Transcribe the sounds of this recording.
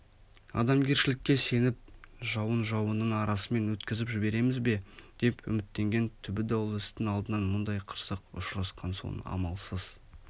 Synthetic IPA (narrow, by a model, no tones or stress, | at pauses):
ɑ̰d̪ɑmɡʲe̞ɾʃɪlɪkʲːe̞se̞nɪp̚ʒɑwənʒɑwənəɴɑɾɑsəme̞nwɵt̪kʲɪzɪpʒɪbe̞ɾe̞mɪzbe̞d̪̥e̞pʏ̰mɪt̪ːe̞ŋɡʲe̞nt̪ʰʏbɪd̪ɑwəlˠɪst̪ɪŋɑlˠd̪ənɑnmʊnd̪ɑjqʰə̥ɾsəqʊ̰ʃɾɑsqʰɑnso̰nɑ̰mɑlˠsəz̥